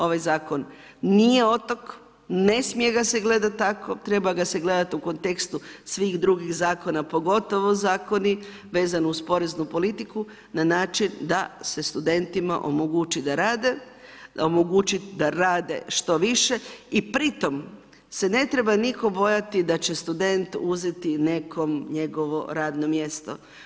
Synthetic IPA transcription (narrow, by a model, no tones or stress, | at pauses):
o̞ʋajzaːko̞nː | ije̞o̞t̪o̞k | ne̞smije̞ɡaseɡle̞d̪at̪ːakʰot̪ɾe̞baɡaseɡle̞d̪at̪uko̞nt̪e̞kst̪usʋiːɣd̪ɾuɡiɣzaːko̞napo̞ɡo̞t̪o̞ʋozaːko̞ni | ʋe̞ːzanouspo̞ɾe̞znupo̞lit̪iku | nanaːt͡ʃind̪ase̞st̪ud̪e̞nt̪ima̰ʔo̞̰moɡut͡ʃid̪aɾaːd̪e | d̪aomoɡut͡ʃid̪aɾaːd̪e̞̰ʃt̪o̞ʋiʃe̞ipɾit̪o̞m | se̞ne̞t̪ɾe̞baniko̞bo̞jat̪id̪at͡ɕe̞st̪ud̪e̞nt̪uze̞t̪ine̞kʰo̞mɲe̞ɡo̞ʋo̞ɾaːd̪no̞mje̞st̪o̞̰